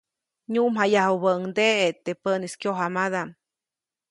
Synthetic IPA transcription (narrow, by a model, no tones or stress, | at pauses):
ɲuʔmɦajahɦubəʔŋd̪eet̪epəniskjoɦamad̪aʔm